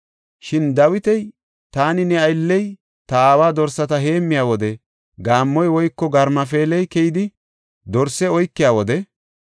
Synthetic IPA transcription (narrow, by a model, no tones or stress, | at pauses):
ʃɪnd̪ɐwɪt̪ɛj | t̪aːnɪnɛɐjlːɛj | t̪ɐaːwaːd̪ɔɾsɐt̪ɐɦe̞ːmːɪjaːwɔd̪ɛ | ɡaːmːɔjwɔjkːɔɡɐɾmɐfe̞ːlɛjkɛjɪd̪ɪ | d̪ɔɾsːɛɔjkːɪjaːwɔd̪ɛ